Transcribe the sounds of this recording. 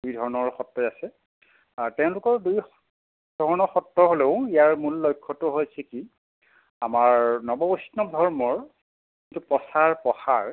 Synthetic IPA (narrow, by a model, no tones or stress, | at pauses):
dujdʱɔɹɔnɔɹxɔtːɔjasɛ | tɛʊ̃lʊkɔɹduj | d̥ʱɔɹɔnɔɹxɔtːɔɦoleʊ̃ijaɹmulːojkʰːɔtʊɦojsʰɛki | amaɹnɔbɔbosnɔdʱɔɹmɔɹ | kkintupɔsaɹpɔxaɹ